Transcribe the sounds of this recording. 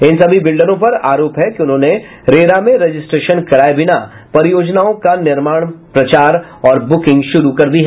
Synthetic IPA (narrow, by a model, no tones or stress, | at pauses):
ɪnsɐbʱibɪlɖəɾõpɐɾaːɾoːpɦɛkiʊnɦõːne | ɾeːɾamẽɾed͡ʒɪsʈɾeːʃənkɐɾaːebɪna | pɐɾɪjoːd͡ʒnaːõkanɪɾmaːɽ̃pɾɐt͡ʃaːɾɔːɾbʊkɪ̃ŋɡʃʊɾukɐɾd̪ʱiɦɛ